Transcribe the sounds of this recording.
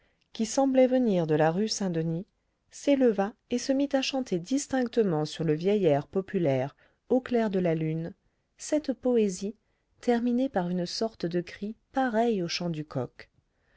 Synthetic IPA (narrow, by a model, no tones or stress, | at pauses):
kʲisɑ̃blɛvəniʁd̪əlaʁysɛ̃d̪əni | seləvaesəmit̪aʃɑ̃t̪ʰed̪ist̪ɛ̃kt̪əmɑ̃syʁləvjɛjɛʁpɔpylɛʁ | oklɛʁd̪əlalyn | sɛt̪pɔezi | t̪ʰɛʁminepaʁynsɔʁt̪əd̪əkχipaʁɛjoʃɑ̃d̪ykʰɔ̰k